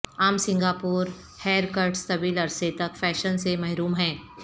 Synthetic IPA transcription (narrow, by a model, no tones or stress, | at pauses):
aːmsɪ̃ŋɡaːpuːɾ | hɛːɾkəɾɖst̪ɐbiːlɐɾset̪ɐkfɛːʃənsemɐɦɾuːmɦɛ̃ː